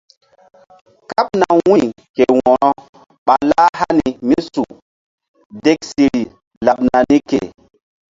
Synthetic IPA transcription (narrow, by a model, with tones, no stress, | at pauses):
ka˦p̚na˨wi˦ | ke˨wɔ˨ɾɔ˦ | ɓa˨la˦ha˦ni˨mi˦su˨ | de˦ksi˨ɾi˨ | la˨ɓna˨ni˦kḛ˨